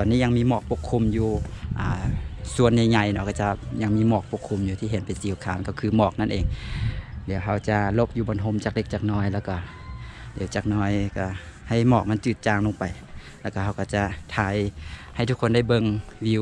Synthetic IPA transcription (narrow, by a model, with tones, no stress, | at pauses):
t̪ɔː˨nːiː˧˥˨ɲa˧ŋmiː˧˥˨mɔː˧˩k̚po˧˥kʰːu˧˥˨mjuː˧ʔaː˨˩su˧˨ənːa˧˩jɲa˧˩jnɔ˧˩ka˧˩t͡ɕa˧ɲa˧˩ŋmiː˧˥˨mɔː˧˩k̚po˧˥kʰːu˧˨mjuː˧t̪ʰiː˧˨ɦe˨˦npa˨˩jsiː˨˦wkʰaː˨˦nkɔ˧˩kʰɯː˧˩mɔː˧˩k̚na˧˥nʔeː˨˩ŋ | dɛ˨˦wɦa˧wt͡ɕa˧lo˧˦p̚juː˧bɔː˨˧˨nɦo˧˥˨mt͡ɕaː˧˩k̚le˧k̚t͡ɕaː˧k̚nɔː˧˩˨jlɛː˧˩wkɔ˧˩ | de˨˦wt͡ɕaː˧˩k̚nɔː˧˩˨jka˧˩ha˧˩jmɔː˧˩k̚ma˧˥˨nt͡ɕɯː˧˩t̪̚t͡ɕaː˧ŋlo˧˨pa˨j | lɛː˧˩ka˧˩ɦa˧˩wka˧˩t͡ɕa˧t̪ʰaː˧˦jha˧˨˩jt̪ʰu˦˧kʰːo˧˨nda˥˩jbɤ˧˨ŋwi˧w